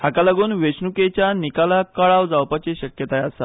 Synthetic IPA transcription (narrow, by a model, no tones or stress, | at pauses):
hakalaɡuːnʋeɕnuket͡ɕjanikalakaɭaʋd͡zawpat͡ɕeɕəkjət̪ajasa̰